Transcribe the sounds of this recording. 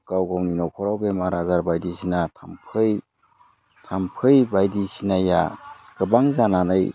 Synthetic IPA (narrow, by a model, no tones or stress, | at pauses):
kawɡawninɔkʰɔɾawbemaɾazaɾbajdisinatʰampʰɯj | tʰampʰɯjbajdisinajaɡ̥ɯbaŋzananɯj